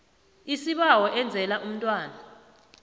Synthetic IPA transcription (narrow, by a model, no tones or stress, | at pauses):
isiɓawɔʔɛnd͡zʱɛlaʔum̩tʼwaːna